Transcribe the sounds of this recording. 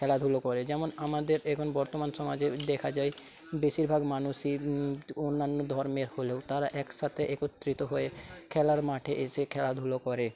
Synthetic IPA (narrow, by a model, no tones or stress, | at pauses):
kʰɛlad̪ʱulokɔɾed͡ʑɛmonamad̪eɾɛkʰonbɔɾt̪omanʃɔmad͡ʑed̪ɛkʰad͡ʑae | beʃiɾbʱaɡmanuʃionːanːod̪ʱɔɾmeɾholewt̪aɾaʔɛkʃat̪ʰeʔekot̪ːɾit̪oɦoekʰɛlaɾmaʈʰeʔeʃekʰɛlad̪ʱulokɔɾe